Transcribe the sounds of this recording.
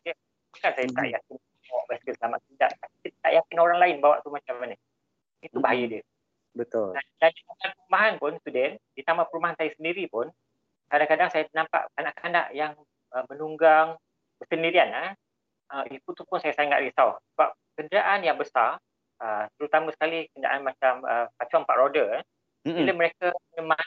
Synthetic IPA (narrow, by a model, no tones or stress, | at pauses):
jə | bukansajət̪a̰ʔjak̚ɪn | ɔʔbaskəsəlama̰ʔ̪̚t̪ida̰ʔt̪apiət̪a̰ʔjakɪnoɾaŋlaɪnbawa̰ʔt̪umat͡ʃamanə | it̪ubaɦajadiə | bət̪ʊldandandit̪amanpəɾumaɦanpʊnst̪udɛnd̥it̪amapəɾumbaɦansajasəndiɾipʊn | kadaŋkadaŋsajanampa̰ʔkanaʔkana̰ʔjaŋ | əmənuŋɡaŋ | bəsəndiɾiana | ʔəit̪ut̪upʊnsajasaŋa̰ʔdisaʊsəbap̚kəndəɾaʔanjaŋbəsar | ət̪əɾut̪amasə̥kalikəndia̰ʔanmat͡ʃaməpat͡ʃuanpaʔɾodə | iləmə̃ɾekaməɲəman